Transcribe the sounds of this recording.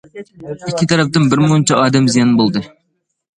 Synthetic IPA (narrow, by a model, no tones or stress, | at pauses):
ikʲʰːit̪ʰɑɾɛp̚t̪ɨnbɪɾmɨnt͡ʃʰɑɑːd̪ɛmzijɛnbolˠd̪ɨ